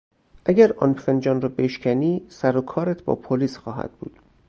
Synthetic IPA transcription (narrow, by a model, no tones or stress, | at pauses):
ʔæɟʲæɾɒ̰nfend͡ʒɒːnɾɒːbe̞ʃcʰʲæniːsæɾokʰɒːɾæt̪ʰbɒ̰ːpʰoliːsxɒːɦæ̰d̪̥̚bṵːd̪̥